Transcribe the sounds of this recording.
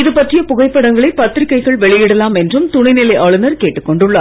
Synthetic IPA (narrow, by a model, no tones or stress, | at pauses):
ɪðɯpːɐʈrɪjɐpʊɣɐɪpːɐɽɐŋɡɐɭɐɪpɐt̪ːɾɪkːɐɪɣɐɭʋɛɭɪjɛɽɐlaːmɛndrɯmt̪ʊɳɪnɪlɐɪʔaːɭɯnɐɾkeːʈːɯkːɔɳɖɯɭːɐː